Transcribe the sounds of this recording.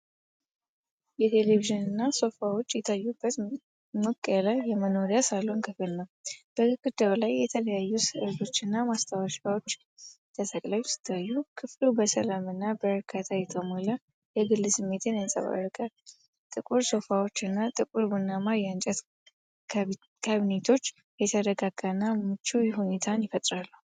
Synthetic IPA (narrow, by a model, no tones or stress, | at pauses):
jɛt̪ʰe̞le̞βiʒɨnɨnːaso̞fawo̞t͡ʃːjɛt̪ʰajːubːət̪ | mɨkʼːələjɛməno̞ɾijasalːuunkʰɨfɨlnəwb̥əkʼɨd̪əwlajːɛt̪ʰələjajːusɨɨɾd̪o̞t͡ʃːɨnːamast̪ʰawaʃʼawo̞t͡ʃː | t̪ʰət̪ʰəkʼlajsɨ̥t̪ʰːajːukʰɨflubəsəlamɨnːabəɾkʰat̪ʰajɛt̪ʰəmola | jɛɡɨlːɨsɨmːe̞t̪ʰɨnjansʼə̰βa̰rɨkʼa | t̪ʼɨkʼuɾso̞fawo̞t͡ʃːɨnːat̪ʼɨkʼuɾbunːamaɾjant͡ʃʼɛt̪ | kʰaβinet̪ʰo̞t͡ʃː | jɛt̪ʰədəɡaɡanːamɨt͡ʃːujɛɦune̞t̪ʰanjɪfət̪ʼɾalːuh